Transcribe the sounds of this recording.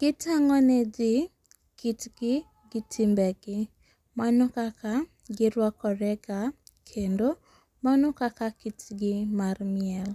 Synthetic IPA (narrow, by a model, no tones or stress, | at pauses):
ɡ̥ɪtaŋɔned͡ʒɪ | kitɡɪ | ɡɪtʰimbɛɡɪ | manɔkakʰa | ɡɪɾwakɔɾɛɡakʰendo | manɔkakakitɡɪmarmiɛl